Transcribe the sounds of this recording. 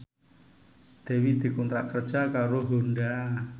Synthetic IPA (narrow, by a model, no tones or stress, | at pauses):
d̪̥e̤wid̪̥i̤kunt̪ɾaʔkər̥ʒ̥akaɾoɦonɖa